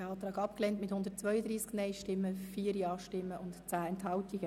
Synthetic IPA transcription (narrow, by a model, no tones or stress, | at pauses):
ɛɑːt̪ɾɑːɡɑpklɛntmɪthʊnd̥̪ətt͡sʋœʏəd̪ɾiːsknɛɪʃtɪmːəfiːəɾjɑːʃtɪmːəʔʊntt͡sæːɛnthɑʊtɪɡ̥ə